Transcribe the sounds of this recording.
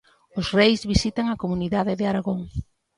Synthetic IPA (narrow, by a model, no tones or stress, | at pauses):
ʊsrejzβisit̪aŋɐkomuniðaðɪðɪaɾaɣoŋ